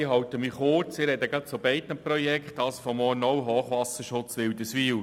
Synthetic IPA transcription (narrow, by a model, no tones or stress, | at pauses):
ɪhɑwt̪əmiχʊt͡sɪɾɛd̪əɡɾɑt̪sobɛɪt̪nəprɔjɛkχt̪ɑsfɔmɔːnɔwɦoːχʋɑsəʃʊt͡sʋɪwd̪əsʋiːw